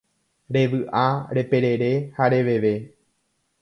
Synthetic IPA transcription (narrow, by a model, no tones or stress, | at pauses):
ɾe̞ʋɨʔaɾe̞pe̞ɾe̞ɾe̞haɾe̞ʋe̞ʋe̞